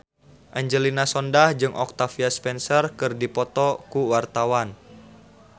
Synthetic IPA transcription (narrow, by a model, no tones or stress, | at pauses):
ʔaɲd͡ʒəlinasɔndahd͡ʒɨŋʔɔk̚t̪afiaspɛnsərkɨrdipɔt̪ɔkuwart̪awan